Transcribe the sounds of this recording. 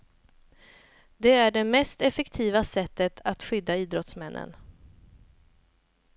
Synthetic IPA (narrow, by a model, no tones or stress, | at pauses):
d̪ɛæɖɛmɛst̪ɛfɛkt̪ʰiːvasɛt̪ːət̪ʰat̪ɧʏd̪ːaiːd̪ɾɔt̪smɛnːʔə̰n